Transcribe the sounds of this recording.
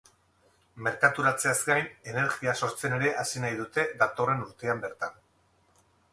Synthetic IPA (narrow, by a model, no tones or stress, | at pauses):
me̞ɾkat̪uɾat͡se̞azɡajne̞ne̞ɾɣiaso̞ɾt͡se̞ne̞ɾe̞ʔasinajðut̪e̞ðat̪o̞re̞nuɾt̪e̞ambe̞ɾt̪an